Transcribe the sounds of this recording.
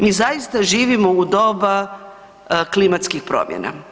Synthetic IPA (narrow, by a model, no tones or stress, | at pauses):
mizajist̪aʒiːʋimoud̪o̞ba | klimat̪skixpɾo̰mjḛna̰